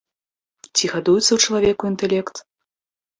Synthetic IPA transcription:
t͡sʲiɣad̪ujut̪sɐwt͡ʂɐlˠavʲɛkuint̪ɛlʲɛkt̪

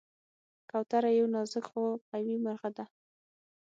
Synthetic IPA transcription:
kawt̪aɾajawnɑzɪkxopawimaɾɣad̪a

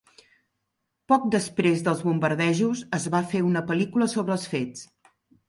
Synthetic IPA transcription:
pɔk̚d̪əspɾezðəlˠzβumbəɾðɛʒuzəzβafeunəpəlikuləsoβɾəːlˠsfet͡s

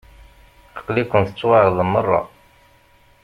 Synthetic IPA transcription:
θə̥qlikʷːənt̪ət͡sːwaʕðˤəmːərˤːɑ̰

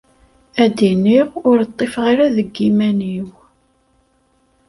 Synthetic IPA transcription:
æd̪iniʁʊɾt̪ˤːefʁaɾaðəɡːimæniw

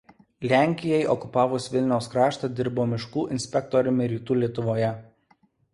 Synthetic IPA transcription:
lʲæˑŋʲkʲɪjɛɪʔɔkʊpɑːʋʊsʋʲɪlʲnʲɛʊskɾɑːʃt̪ɑd̪ʲɪɾboːmʲɪʃkuːʔɪnʲsʲpʲɛkt̪ɔɾʲʊmʲɪɾʲiːt̪uːlʲiɛt̪ʊʋoːjɛ

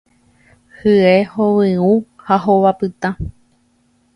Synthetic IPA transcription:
hɨehowɨ̃ũhaɦoʋapɨt̪ã

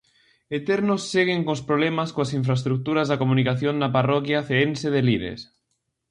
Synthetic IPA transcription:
et̪ɛɾnosːeɣ̞eŋkõspɾoβlemaskoasiɱfɾaest̪ɾuk̚t̪uɾazðakomunikaθjoŋnaparɔkjaθeenseðeliɾḛs

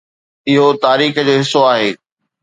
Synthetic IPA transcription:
ɪɦot̪aːɾiːxəd͡ʑoːɦɪsːoaːɦeː

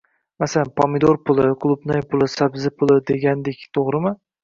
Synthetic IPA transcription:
masalanpʰɒmɪd̪oɾpʰʊlˠɪkʰlˠʊbnajpʰʊlˠɪsabzɪpʰʊlˠɪd̪e̞ɡʲand̪ekʲt̪ʰoʁɾɪmɪ

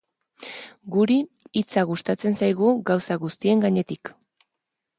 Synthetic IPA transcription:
ɡuɾiː | t͡saɣ̞ust̪at͡se̞nsajɣ̞uɡawsaɣust̪ie̞ŋɡaɲe̞t̪ik

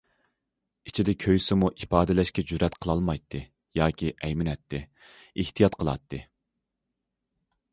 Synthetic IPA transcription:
it͡ʃʰid̪ɛkʲʰøjsɪmuʔipɑːd̪ɪlɛʃkʲɛd͡ʒyɾɛt̪qʰəlˠɑlˠmɑjt̪ʰːɨ | jɑːkʲʰiʔɛjmɪnɛt̪ːɪ | iht̪ʰijɑt̪qʰəlˠɑ̰t̪ːɨ

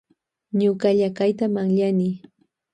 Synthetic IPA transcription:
ɲʊkaʎakajt̪amaŋʎanɪ

